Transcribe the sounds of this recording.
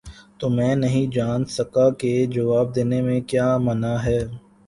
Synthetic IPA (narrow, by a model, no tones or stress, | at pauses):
t̪oːmɛ̃ːnɐɦĩd͡ʒaːnsɐkaked͡ʒɐʋaːb̚d̪eːnemẽkjaːmɐnaɦɛː